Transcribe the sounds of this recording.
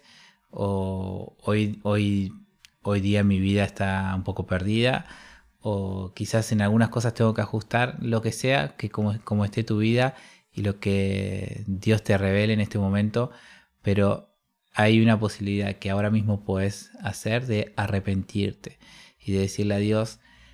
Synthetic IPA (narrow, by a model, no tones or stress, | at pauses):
o | ojoj | ojðiamiβiðaest̪aumpo̞ko̞peɾðiða̰ | okisase̞nalɣunasko̞s̬ast̪e̞ŋɡo̞keaxust̪aɾlo̞ke̞se̞a̰kekoko̞moest̪e̞t̪uβiða | ilo̞ke̞ | ðjo̞st̪e̞re̞β̞e̞leːne̞st̪e̞mõ̞mẽ̞nt̪o̞ | pe̞ɾo̞ | ajunapo̞siβiliðaðkeao̞ɾamizmo̞poðesase̞ɾðe̞are̞pe̞nt̪iɾt̪e̥ | iðe̞ðe̞siɾleaðjo̞s